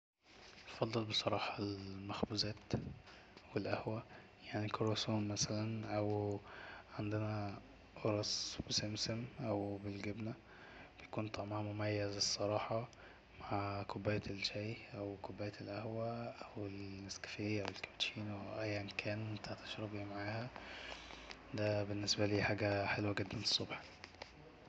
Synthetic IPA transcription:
t̪fɑd̪ˤːɑlbesˤɑɾˤɑːħɑlmæxbuzæːt̪ | welʔæhwæ | jaʕnikoɾosuːnmæsælænʔæw | ʕend̪enæ | ʔoɾˤɑsb̥esemsæmʔæwbelɡebnæ | b̥ejkuːnt̪ˤɑʕmɑʕmomæjːæzesˤːɑɾˤɑːħɑ | maʕkobːæːjælʃæjʔæwkobːæːjæelʔæhwæʔæweleskæ̥feʔæwelkæ̥bt̪ʃiːnweʔæjːʔenkʰæːnt̪aʕt̪æ̥ʃɾɑbimaʕaːhæ | d̪æbenːesbæliːħaːɡæħelwæɡɪd̪ːænesˤːobħ

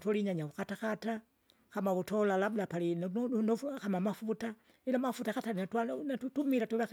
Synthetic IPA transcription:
toliɲaɲaβukataxata | xamaβutolalablapalinnnoxamamafuta | ilamafutaxataliatwanatutumilatuβa

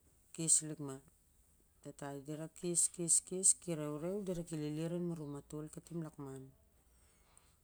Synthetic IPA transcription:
kislikma | tatajdiɾakiskiskiskiɾeuɾewdiɾakililiɾenmaɾumatolkatimlakman

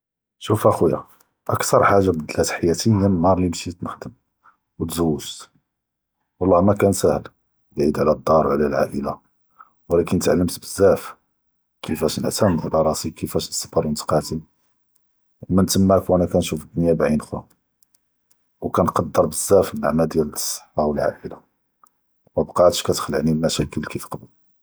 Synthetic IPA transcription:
ʃufʔæxujæ̰ | ʔə̰kt̪ɑɾˤħaʒːabəd̪əlæt̪ħjæt̪əjænnɑɾˤlimʃit̪nəxd̪əm | wət̪zəwːəʒt̪ | wɑlˤːɑhmækænsæhl | bʕid̪ʕlæd̪ˤːɑɾˤʕlælʕa̰ʔəla̰ | wəlækənət̪ʕalːəmt̪bəzːæf | kʰəfæʃnəʕt̪æmʕlɑɾˤɑsikəfæʃsːɑ̥fɑɾˤwənt̪qɑt̪i | mænt̪əmːækwʔænækænʃufəd̪ːʊnjæbʕinxæ̰ | wkænqɑd̪ːəɾˤbəzːæfənːa̰ʕmæld̪jælsˤːə̥ħɑwəlʕa̰ʔəla | mæbqɑt̪əʃkæt̪ə̥xləʕnimæʃækəlkifqbəl

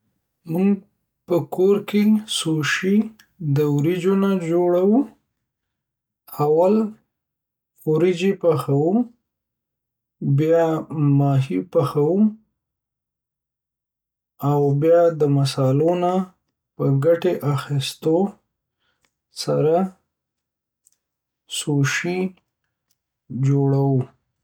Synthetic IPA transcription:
muɡ | pəkoɾkesoʃi | d̪əwɾid͡ʒonad͡ʒoɽawu | awal | wɾid͡ʒepaxawu | bjɑmɑɦipaxawu | awbjɑd̪əmasɑlona | pəɡaʈeʔaxist̪o | saɾa | soʃi | d͡ʒoɽawu

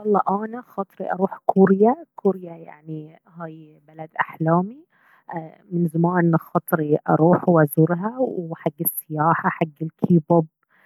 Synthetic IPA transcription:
wɑlˤːɑːʔaːnaxɑt̪ˤɾḭʔɑɾˤuːħkʰuɾjakʊɾjaja̰ʕni | haːj | balad̪ʔaħlaːmi | mɪnzamaːnnxɑt̪ˤɾiʔɑ̰ɾˤuːħwʔazʊɾɦawwħaɡːɪsːɪjaːħaħaɡːɪlkʰiːbɑb̚

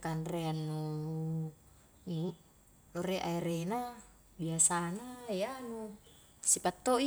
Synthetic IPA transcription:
kanreanːu | i | loɾeʔaiɾena | biasanajanu | sipat̪ːoi

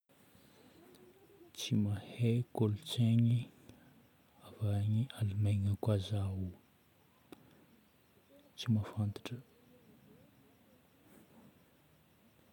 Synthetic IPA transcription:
t͡simahekolut͡seɲi | avaɲialumajŋakʷazaɦu | t͡simafant̪ḁʈ͡ʂə

